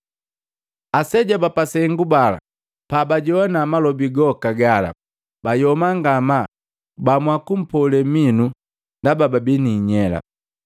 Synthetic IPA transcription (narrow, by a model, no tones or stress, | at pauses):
asɛɟabapasɛŋɡubala̰ | pabaɟɔwanamalɔbiɡɔkaɡala̰ | b̥ajɔmaŋɡama | bamwakum̩pɔlɛminu | ndabababiniɲɛla̰